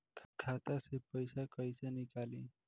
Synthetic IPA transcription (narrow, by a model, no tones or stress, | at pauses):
kʰkʰat̪asepəjsakəjsenɪkaːlḭ̃